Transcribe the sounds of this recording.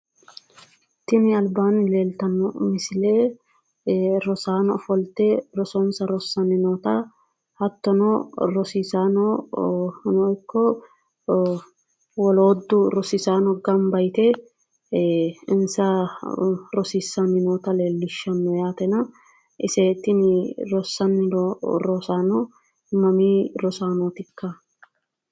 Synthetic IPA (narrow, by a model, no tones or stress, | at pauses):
t̪ːɪnɪɐlbaːnɪleːlt̪ɐnːɔmɪsɪleː | ɾɔsaːnɔfɔlt̪ɛɾɔsɔnsɐɾɔsːɐnɪnoːt̪ɐ | hɐt̪ːɔnɔɾɔsisaːnɔ | nɔjkːɔ | wɔloːd̪ːʊɾɔsɪsaːnɔɡɐmbɐjt̪ɛ | ɪnsɐ | ɾɔsisːɐnːɪnoːt̪ɐleːlːɪʃːɐnːɔjaːt̪ɛnɐ | ɪseːt̪ːɪnɾɔsːɐnːɪɔɾɔsaːnɔ | ɪmːɐmiːɾɔsaːnɔːt̪ɪkːɐ